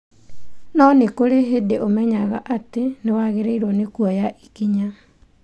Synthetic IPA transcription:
nɔnekoɾeɦedeʔomɛɲaɣaʔatenewaɣeɾeiɾwɔnekwɔjaʔi̥kiɲa

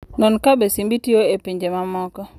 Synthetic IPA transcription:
nɔnkabesimbitioepiɲd͡ʒemamɔkɔ

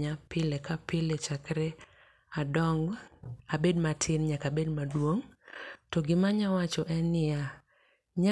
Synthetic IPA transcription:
ɲapɪlekapɪlet͡ʃakɾe | adɔŋɡabedmatʰɪnɲakabedmadwoŋtɔɡɪmaɲawat͡ʃɔʔɛnɪja | ɲa

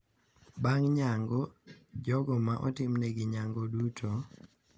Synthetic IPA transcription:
baŋɲaŋɡɔd͡ʒɔɡɔmaʔɔ̰tɪmnɛɡɪɲaŋɡɔdutʰo

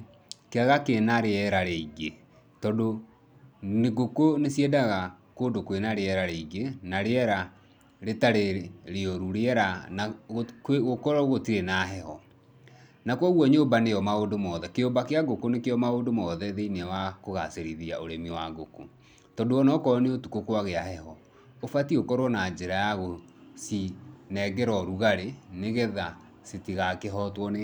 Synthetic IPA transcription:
keaɣakenaɾeɛɾaɾeiɡe | tɔdo | neɡokonesjɛdaɣakoːndokwenaɾeɛɾaɾeiɡenaɾeɛɾa | ɾetaɾeɾeoɾuɾeɛɾanakeɣokɔɾɔɣotiɾenaɦɛhɔ | nakwɔɣwɔɲombanejɔmaodomɔðɛkeombakeaɡokonekeɔmaondomɔðɛðeinewakoɣa̰seɾiðiaʔoɾemiwaɡoko̰ | tɔdoɔnɔkɔneotukokwaɣeahɛhɔ | ofatiokɔɾwɔnad͡ʒeɾajaɣo | sinɛɡɛɾɔɾuɣaɾeneɣɛða | setiɣakeɦɔtwɔn

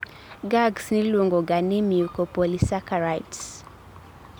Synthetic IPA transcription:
ɡaɡsnilwoŋɡɔɡanimiukɔpɔlisakaɾajts

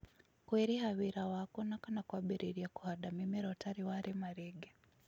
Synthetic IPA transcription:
kwiɾihaβiɾawakɔnakanakwaɓiɾiɾiaku̥hadamimiɾɔtaɾiwaɾimaɾiɡe

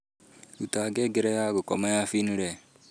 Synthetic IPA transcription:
utaɡɛɡeɾɛjaɡokɔmajafiniɾɛ

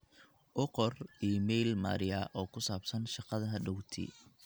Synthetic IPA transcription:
ʔʊqɔrimɛjlma̰ːɾɪjaʔɔːkʰʊsaːbsɐnʃɑqɑðɐɦɐɖɔwt̪ʰḭ

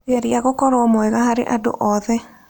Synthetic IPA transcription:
eaɾiaɣokɔɾoɔmoɛɣaɦaɾḛʔado̰ʔɔðɛ

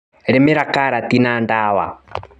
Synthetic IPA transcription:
ɾɪmɪɾakaɾatinandaːwa̰

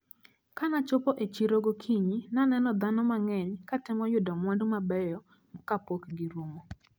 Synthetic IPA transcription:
kanat͡ʃʊpɔʔet͡ʃiɾoɡokʰiɲinanɛnɔd̪anɔmaŋɛɲkatɪmɔjʊdɔmwɔndmabɛjɔ | mɔkapokɡiɾomo

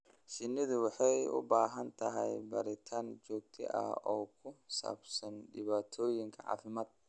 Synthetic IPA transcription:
ʃɪnːɪðʊwɪħɛjʊ̰baːɦɐnt̪ʰɐɦɐ̰jbɐ̰ɾɪt̪ʰand͡ʒɔːɡ̚t̪ʰɪ̰ʔɐ̰hɔːkʰʊsa̰ːbsɐnɗɪβaːt̪ʰoːjɪŋkʰɐʕa̰ːfɪmɐt̪̚

